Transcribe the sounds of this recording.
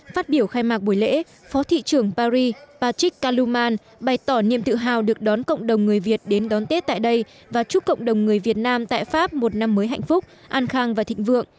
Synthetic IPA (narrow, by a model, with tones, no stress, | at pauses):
faː˦˥t̚ɓi˧˩əwxaː˧jmaː˨˩k̚ɓu˧˩jlḛ˧˥ | fɔ˨˦t̪ʰḭ˧˨t͡ɕɨ˨˧˩əŋpaː˧ɾi˧paː˧t͡ɕï˦˥kkaː˧lu˧maː˧n | ɓa˨˩jt̪ɔ˧˩nḭ˧əmt̪ɨ̰˧˨ɦaː˨˩wɗɨ˨˩ək̚ɗɔ˨˦nkə̰˧˨wŋ͡mɗə˨˩wŋ͡mŋɨ˨˩əjvi˨˩ət̚ɗe˨˦nɗɔ˨˦nt̪e˦˥t̚t̪a̰ː˧˨jɗə˧j | vaː˨˩t͡ɕu˦˥kə̰˧˨wŋ͡mɗə˨˩wŋ͡mŋɨ˨˩əjvi˨˩ət̚naː˧mt̪a̰ː˧˨jfaː˦˥p̚mo˨˩t̚na˧mːəː˨˦jɦa̰˧˨jŋ̟fʊ˦˥k͡p̚ | ʔaː˧nxaː˧ŋvaː˨˩t̪ʰḭ˧˨ŋ̟vɨ̰˧˨əŋ